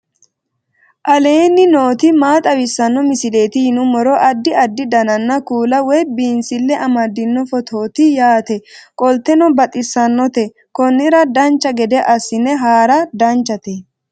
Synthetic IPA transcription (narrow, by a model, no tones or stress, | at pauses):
ʔɐle̞ːnːɪnoːt̪ɪmaːt̪ʼɐwɪsːɐnːɔmɪsɪle̞ːt̪ɪhɪnʊmɔɾɔʔɐd̪ːɪɐd̪ːɪd̪ɐnɐnːɐkuːlɐwɔjbiːnsɪlːɛʔɐmɐd̪ɪnːɔfɔt̪ʰoːt̪ɪjaːt̪ɛkʼɔlt̪ːɛnɔbɐt̪ʼɪsːɐnːɔt̪ɛ | kɔnːɪɾɐd̪ɐnt͡ʃːɐɡɛd̪ɛʔɐsːɪnɛɦaːɾɐd̪ɐnt͡ʃːɐt̪ɛ